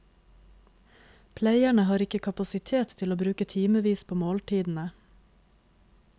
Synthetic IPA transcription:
pʰlæɪæɳəhɑːɾɪkəkʰɑpɑsɪt̪ʰeːt̪ʰtʰɪloːbɾʉːkət̪ʰiːməʋiːspʰoːmoːlʈ̪ʰiːd̪n̩ə

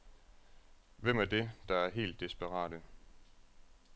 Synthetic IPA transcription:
ʋem̰æɐd̥e̝d̥ɑ̈æɐɦe̝̰ːld̥ːisb̥æʁɑ̰̈ːɾ̥ə

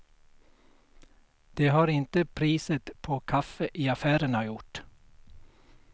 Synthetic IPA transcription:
d̪̥eːɦɑːɾɪnt̪əpʰɾiːsət̪pʰɔkʰafəʔiːafæːɾəɳɑjʊʈ

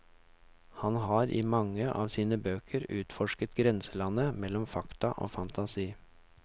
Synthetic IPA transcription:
hɑnɦɑːɾʔiːmɑŋːəʔɑːʋsiːnəbøːkʰəɾʉːt̪fɔʂkət̪ɡɾɛnsəlɑnəmɛlɔmfɑkt̪ɑʔo̰ːfɑnt̪ɑsiː

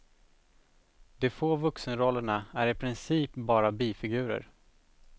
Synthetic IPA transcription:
d̪̥ɛfoːvɵksənɾɔlːəɳaæɾɪpʰɾɪnsiːpbɑːɾabiːfɪɡʉ̟ːɾə̰ɾ

